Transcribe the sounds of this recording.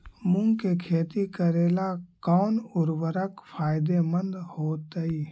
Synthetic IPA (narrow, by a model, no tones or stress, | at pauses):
mʊ̃ŋkekʰeːt̪ikəɾeːlakɔːnʊɾwəɾəkpʰaːjɪd̪emə̃nd̪hoːt̪əi